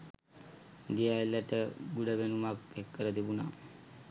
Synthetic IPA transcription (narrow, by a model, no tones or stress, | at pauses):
d̪ijailːəʈəɡuɖəʋenumak̚ekːəɾəd̪ibuna